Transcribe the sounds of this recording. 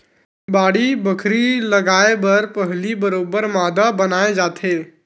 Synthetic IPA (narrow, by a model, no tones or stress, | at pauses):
baːɽibəkʰɾilɐɡaːebɐɾpəɦlibəɾoːbəɾmaːd̪abɐnaːed͡ʒaːt̪ʰeː